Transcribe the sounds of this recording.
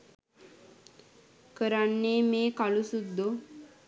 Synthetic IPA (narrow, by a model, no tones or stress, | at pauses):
kəɾanːeːmeːkalusud̪ːo